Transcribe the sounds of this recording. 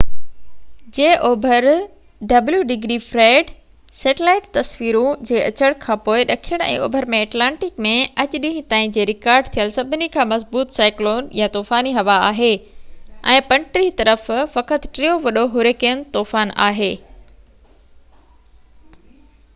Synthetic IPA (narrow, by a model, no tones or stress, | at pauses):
d͡ʑeːʔoːbʱəɾ | ɖɐbljuɖɪɡɾifɾeːɖ | seːʈɪlaːɪʈt̪ɐsʋiːɾũd͡ʑeːʔɐt͡ɕəɽ̃kʰãːpoːɪɗɐkʰijəɽ̃ɛ̰̃ːo̰ːbʱəɾmẽɐːʈlãːɳʈɪkmẽɐt͡ɕɗĩɦĩt̪aːĩd͡ʑeːɾɪkaːɾɖt̪ʰijəlsɐbʱɪnikʰãːmɐzbuːt̪saːɪkloːnjat̪oːfaːniɦɐʋaa̰ːɦeː | ɛ̰̃ːpɐ̃ɳʈɾit̪ɐɾəffɐkət̪ʈɾijoʋɐɗoɦʊɾekijənt̪oːfaːna̰ːɦeː